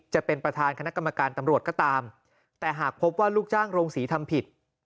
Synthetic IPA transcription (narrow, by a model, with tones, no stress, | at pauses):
t͡ɕa˨˩pe˧npɾa˧t̪ʰaː˧nkʰa˧na˦˥ka˧mːa˧kaː˧nt̪a˧mɾu˨˩ət̪̚kɔː˥˩t̪aː˧m | t̪ɛː˨˩ɦaː˨˩k̚pʰo˦˥p̚waː˥˩luː˥˩k̚t͡ɕaː˥˩ŋɾoː˧ŋsiː˩˦t̪ʰa˧mpʰi˨˩t̪̚